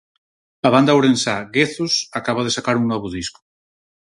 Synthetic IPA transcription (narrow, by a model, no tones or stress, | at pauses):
aβ̞and̪awɾensaɣeθusakaβaðesakaɾuŋnɔβ̞uðisku̥